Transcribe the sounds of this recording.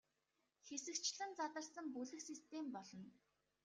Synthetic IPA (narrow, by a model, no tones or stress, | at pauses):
xesɘ̆kt͡ɕɮɘ̆nt͡sat̪ə̆rsə̆mpuɮɘ̆xsist̪ʰempɔɮɞ̆n